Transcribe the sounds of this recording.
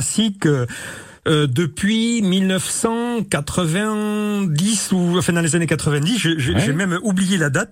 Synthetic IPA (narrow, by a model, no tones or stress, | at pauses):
sikøː | d̪əpɥimilnəfsɑ̃kat̪χəvɛ̃d̪isuɑ̃fɛ̃d̪ɑ̃lezanekat̪χəvɛ̃d̪isʒeʒeʒɛmɛmublijelad̪at̪̚